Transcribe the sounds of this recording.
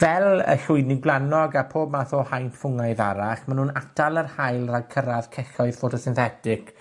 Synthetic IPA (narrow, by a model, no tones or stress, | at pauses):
vɛlˠə̰ɬʊɨdnɪɡlˠanɔɡapʰoːb̚maθoːhajnfʊŋajða̰ɾaχmanhuːnatʰalˠərhajlˠraɡ̚kʰəɾað̥kʰɛɬɔɨð̥fotʰɔsɪnθɛtɪk